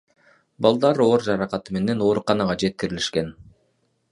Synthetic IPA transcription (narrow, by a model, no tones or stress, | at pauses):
bɑlˠd̪ɑɾo̞ːɾd͡ʒɑɾɑqɑt̪ɯme̞ne̞no̞ːɾuqɑnɑʁɑd͡ʒe̞t̪̚kiɾiliʃke̞n